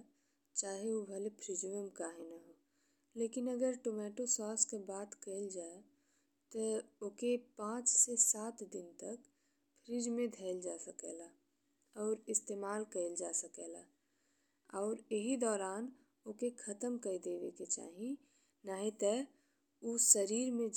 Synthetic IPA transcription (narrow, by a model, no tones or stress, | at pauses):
t͡ʃaːɦeubʱɐlepʰɾɪd͡ʒʋẽmkaːɦenaɦoː | leːkɪnɐɡəɾʈomɛːʈosɔːskebaːd̪kəɪld͡ʒaːe | t̪ooːkepãːt͡ʃsesaːt̪d̪ɪnt̪ɐk | pʰɾɪd͡ʒmẽd̪ʱɛɪld͡ʒaːsəkḛːlaː | ɔːɾɪst̪eːmaːlkəld͡ʒaːsəkeːla̰ː | ɔːɾeɦid̪ɔːɾaːn | okekʰɐt̪əmkəid̪eːd̪eket͡ʃa̰ːɦĩ | naːɦĩt̪ɛ | usəɾiːɾmẽ